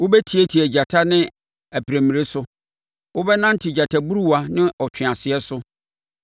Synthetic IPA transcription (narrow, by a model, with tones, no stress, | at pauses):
wʊ˦bɛ˦tʰi˨˦e˦tʰi˨æ˨d͡ʑa˨tʰa˦nɪ̃˦ | æ˨pʰi˨ɾe˨mĩ˨ɾe˦sʊ˦ | wʊ˦bɛ˦nã˦n̩˦tʰɪ˨d͡ʑa˨tʰa˨bu˦ɾu˦wa˦nɪ̃˦ʔɔ˨t͡ɕʰᶣɪ̃˨a˨sɪ˨ɛ˦sʊ˦